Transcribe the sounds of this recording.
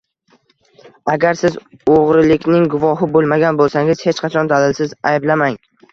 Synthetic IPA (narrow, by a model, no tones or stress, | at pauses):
aɡʲaɾsɪz | oʁɾɪlɪkʲnɪŋɡʊvɒɦɪbolˠmaɡʲanbolˠsaŋɪz̥het͡ʃqʰɑat͡ʃʰɒnd̪alɪlsɪzajblamaŋ